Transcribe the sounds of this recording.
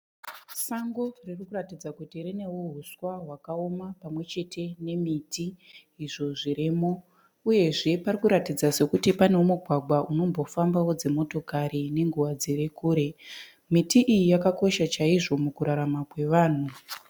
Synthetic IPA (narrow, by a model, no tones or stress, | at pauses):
saŋɡo̞ririkuratid͡zakutirine̞wo̞ɦuswaɦwakaomapamwe̞t͡ʃe̞tʰe̞ne̞mitiː | ʐo̞ʐiɾimo̞ | uje̞ʐe̞parikuɾatid͡zase̞kutipane̞wumuɡʱwaɡʱwaʔuno̞mbo̞fambawo̞d͡ze̞mo̞to̞kaɾine̞ŋɡuʋad͡zeɾe̞kuːɾe̞ | mitiʔijijakako̞ʃat͡ʃaiʐo̞mukuɾaɾamakwe̞ʋaːn̤u